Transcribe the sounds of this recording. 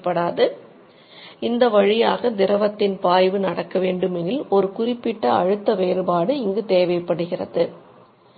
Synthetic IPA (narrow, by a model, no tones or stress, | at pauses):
pːɐɽaːðɯ | ɪnd̪ɐʋɐɻɪjaːɣɐd̪ɪɾɐʋɐt̪ːɪnpaːjʋɯnɐɽɐkːɐʋeːɳɖɯmɛnɪlɔɾɯkʊrɪpːɪʈːɐɐ̰ɻɯt̪ːɐʋeːɾɯbaːɽɯɪŋɡɯt̪eːʋɐjpːɐɽɯɣɪrɐ̰ðɯ